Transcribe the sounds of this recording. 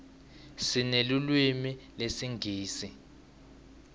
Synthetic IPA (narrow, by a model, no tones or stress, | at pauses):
sinelulwimilesiŋɡʱiːsi